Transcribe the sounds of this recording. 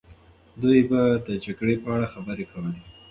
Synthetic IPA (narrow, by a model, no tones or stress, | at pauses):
d̪ujbad̪əd͡ʒaɡɽepəaɽaxabəɾekʰawəli